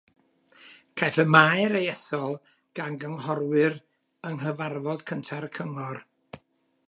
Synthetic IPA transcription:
kʰajɬəmaɨɾejɛθɔlˠ | ɡ̥anɡəŋhɔrwɨr | əŋɦəvarvɔd̥kʰəntʰarkʰəŋɔr

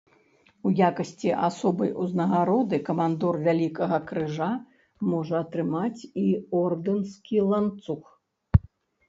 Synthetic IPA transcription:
ujakɐsʲt͡sʲiʔasɔbɐjʔuznɐɣaɾɔd̪ɨkɐmand̪ɔrvʲalʲikɐɣɐkɾɨʐa | mɔʐɐɐt̪ɾɨmat͡sʲiɔrd̪ɨnskʲilˠant̪sux

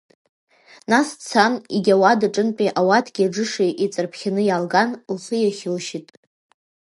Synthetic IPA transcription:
nast͡sʰaniɡʲawadaʈ͡ʂʼɨnpʼiʔawatʰɡʲaɖ͡ʐɨʂejʔit͡sʼɨrpʰχʲanɨjalɡanlħɨjaχʲɪlʃitʼ

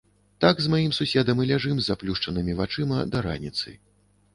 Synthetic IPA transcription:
t̪aɡzmajimsusʲɛd̪ɐmɨlʲaʐɨmzaplʲuʂt͡ʂɐnɨmʲivat͡ʂɨmɐd̪ɐɾa̰nʲit̪sɨ̰

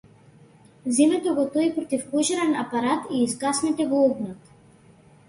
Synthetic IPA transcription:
zimɛt̪ɔɡɔt̪ɔipɾɔt̪ifkɔʒɛɾɛnapaɾat̪iːzɡasnɛt̪ɛvˠuɡnɔt̪

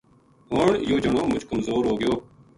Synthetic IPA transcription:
ɦʊɳjoːd͡ʒəɳoːmʊd͡ʒkəmzoːɾɦoːɡɪjoː

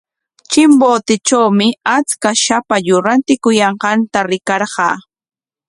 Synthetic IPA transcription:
t͡ʃɪmboːt̪ɪt͡ʃawmɪat͡skaʃapaʎʊɾant̪ɪkʊjɑɴqɑnt̪aɾɪkɑɾɢɑ̰ː

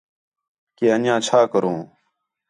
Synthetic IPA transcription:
keːənjãːt͡ʃʰaːkəɾõː

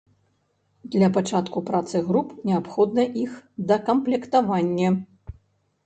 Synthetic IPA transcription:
d̪lʲɐpat͡ʂat̪kupɾat̪sɨɣɾupnʲɛapxɔd̪nɐʔixd̪ɐkɐmplʲɛkt̪avanʲːɐ

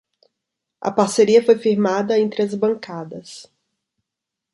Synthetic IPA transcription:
ɐ̰paɾseɾiɐfojfiɾmad̪ɐẽnt̪ɾɪɐzbɐ̃ŋkad̪ɐs

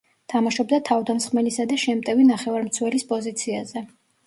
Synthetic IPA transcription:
t̪ʰamaʃɔb̚d̪at̪ʰavd̪amsχmɛlisad̪aʃɛmt̪ʼɛvinaχɛvaɾmt̪sʰwɛlispʼɔzit̪sʰiazɛ

